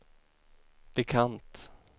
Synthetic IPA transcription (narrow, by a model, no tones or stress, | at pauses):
b̥ɛkʰant̪